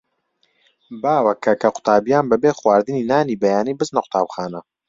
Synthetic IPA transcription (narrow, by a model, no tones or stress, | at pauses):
baːwɐkʰɐkʰɐqʊ̥t̪ʰaːbijaːnbɐbeːχwaːɾd̪ɨniːnaːniːbɐjaːniːbɨznɐqʰʷʊ̥t̪ʰaːbxaːnɐ